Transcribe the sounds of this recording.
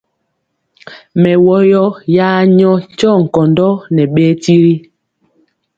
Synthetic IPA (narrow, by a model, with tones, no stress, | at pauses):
mɛ˨wɔ˦jɔ˦jaː˦ɲɔ˦ɲ˦t͡ʃɔ˦˨ŋ̩˨kɔ˨ndɔ˦nɛ˨ɓe˦ti˦ɾi˦